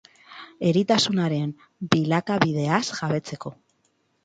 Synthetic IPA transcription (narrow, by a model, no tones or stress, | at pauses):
e̞ɾit̪asunaɾe̞m | bilakaβiðe̞asʝaβe̞t͡se̞ko̞